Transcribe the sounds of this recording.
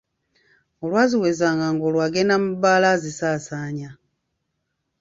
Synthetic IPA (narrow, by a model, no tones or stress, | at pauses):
olwaːziweːzaːŋɡaŋɡoːlwaːɡenamubaːlazisaːsaːɲa